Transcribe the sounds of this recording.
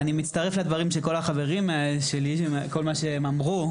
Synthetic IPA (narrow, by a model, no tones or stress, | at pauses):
animitt͡staʁefled̪vaʁimʃeko̞laχave̞ʁimʃelieko̞lmaʃeemamʁu